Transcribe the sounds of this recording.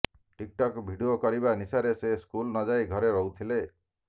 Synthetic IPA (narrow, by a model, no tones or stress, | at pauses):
ʈik̚ʈɔkbʱiɖiokɔɾibanisaɾeseskulnɔd͡ʒajɡʱɔɾeɾɔɦut̪ʰile